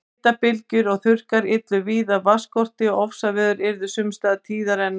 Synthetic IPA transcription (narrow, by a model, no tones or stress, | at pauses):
t̪apɪlcʏɾɔɣθʏr̥kaɾɪt̪lʏviːðavaskɔr̥t̪ɪɔɔfsavɛːðʏɾɪɾðʏsʏmst̪aːðt̪ʰiːðaɾɛn